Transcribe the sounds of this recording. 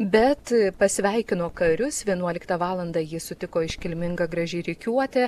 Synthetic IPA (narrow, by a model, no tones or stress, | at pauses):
bʲɛt̪pɐsʲʋʲɛɪkʲɪnoːkɐɾʲʊsʋʲiɛnuɔlʲɪkt̪ɑʋɑːlˠɐnd̪ɑːjɪsʊt̪ʲɪkoːɪʃʲkʲɪlʲmʲɪŋɡɐɡɾɐʒʲɛɪɾʲɪkʲuɔt̪ʲɛ